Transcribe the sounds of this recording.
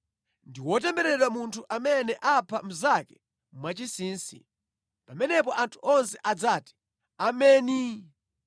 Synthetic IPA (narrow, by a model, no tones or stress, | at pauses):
ndiwɔt̬ɛmbɛɾɛɗwamuntʰuʔamɛnɛʔapʰam̩zakɛ | mwat͡ʃisiːnsḭ | pamɛnɛpɔʔantʰuɔnsɛʔad͡zaːti̥ | amɛːni